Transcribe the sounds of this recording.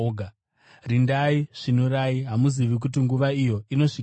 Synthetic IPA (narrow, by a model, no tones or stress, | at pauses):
ɡʱa | rindaiʐ̥inuɾaiɦamuziʋik̬utiŋɡuʋaijo̞ino̞ʂi